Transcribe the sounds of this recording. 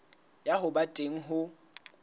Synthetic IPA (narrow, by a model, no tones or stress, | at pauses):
jahʊbatʼeŋ̩ɦʊ